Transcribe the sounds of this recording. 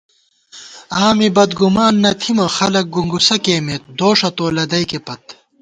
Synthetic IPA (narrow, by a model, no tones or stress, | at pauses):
aːmibɐd̪ɡumaːnːɐt̪ʰimɐxɐlɐk̚ɡuŋɡusɐkeːmet̪̚d̪oːʂɐt̪oːlɐd̪ɐjkepɐt̪̚